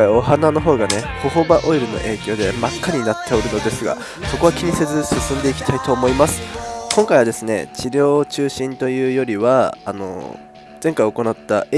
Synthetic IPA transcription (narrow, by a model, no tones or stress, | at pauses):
ao̞ɦanano̞ɦo̞ːɡane̞ho̞ɦobaʔo̞iɾɯ̟no̞̰ʔe̞ːkʲo̞ːd̪e̞makːaɲ̟inat̪ʰːeoɾɯ̟no̞d̪e̞sɨɡa̰ | so̞ko̞βakʲiɲ̟ise̞zɨsɨsɨ̃nd̪e̞ikʲi̥t̪ʰait̪o̞ːmo̞imasɨ̥kõ̞ŋkaiβad̪esɨne̞̰t͡ɕiɾʲo̞ːt͡ɕɨːɕĩnt̪o̞jɯ̟ːjo̞ɾʲiβaːno̞̰ | zẽ̞ŋkaio̞ko̞nat̪ːa